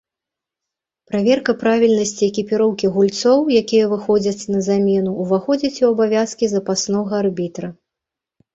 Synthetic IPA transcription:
pɾavʲɛrkɐpɾavʲilʲnɐsʲt͡sʲiɛkʲipʲiɾɔwkʲiɣulʲt̪sɔwjakʲijɐvɨxɔd͡zʲɐt͡sʲnɐzamʲɛnuːvaxɔd͡zʲɐt͡sʲiwɐbavʲaskʲizɐpasnɔɣɐarbʲit̪ɾɐ

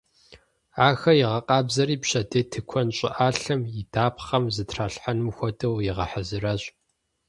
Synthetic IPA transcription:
aːxɐjɪʁɐqʼɑːbzɐɾiːpɕɐdeːtʰɨkʷʰɔnɕʼɪ̰ʔaːɬɐmjɪdaːpχɐmzɨtʰraːɬħanɨmxʷɔdʼɐwjɪʁɐ̰ħəzɨrɐɕʼ

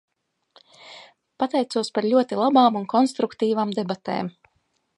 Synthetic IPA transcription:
pat̪ɛjtsuɔspaɾʎʲuɔt̪ilˠabaːmunkʰɔnst̪ɾukt̪iːvaːmd̪ebat̪ḛːm

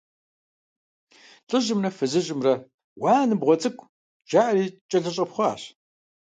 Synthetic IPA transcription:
ɬʼɨʑɪmrɐfɨzɨʑɪmrɐ | waːnɨbʁʷɔt͡sʼɨkʷʰʼ | d͡ʒaːʔriːt͡ʃʼɐɮɐɕʼɐpχʷɔaːɕ

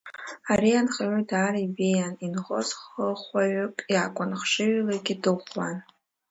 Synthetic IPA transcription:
aɾianχaʕʷʊdaːɾibejaninʁozχəχʷaɥʊkʼjaːkʷʼʊnχʂɨɥlaɡʲɪdɨχʷwan

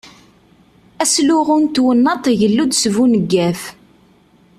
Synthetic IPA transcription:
æslʊʁʊnt̪wənːɑt̪ˤʝəlːud̪svunəɡːæf

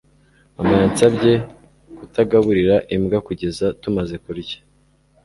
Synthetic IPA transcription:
amaant͡sabɟe̞ | kutaɡaβuɾiɾaʔimɡakuɟe̞zatumaze̞kuɾɟe̥

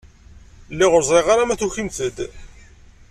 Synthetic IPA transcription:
lːiʁʊɾzˤɾeʁaɾamæθuçimθəd̪

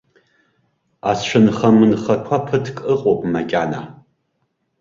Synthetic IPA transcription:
ast͡ʃʷʰɨnχamɨnχakʷʰapʰɨtʰkʼɨqʼopʼmakʲʼana̰

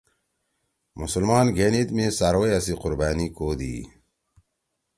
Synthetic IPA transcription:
musulmaːnɡenit̪mesaɾwejasiqʊɾbaːnikoːd̪ḭː

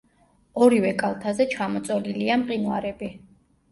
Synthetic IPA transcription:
ɔɾivɛkʼalˠt̪ʰazɛt͡ʃʰamɔt̪sʼɔliliamqʼinwa̰ɾɛbi

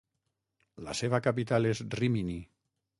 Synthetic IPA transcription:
la̰seβakapit̪alezrimini

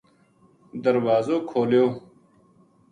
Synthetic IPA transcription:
d̪əɾwaːzoːkʰoːljoː

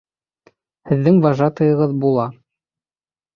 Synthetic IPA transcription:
hɘ̆ðːɘŋvɑʒɑt̪ɤ̆jɤ̆ʁɤðbulˠɑ

